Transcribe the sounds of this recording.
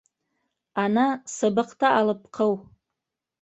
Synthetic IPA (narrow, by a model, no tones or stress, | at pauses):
anasɨbɨqʰtʰaʔːlɨp̚ʰqʰəw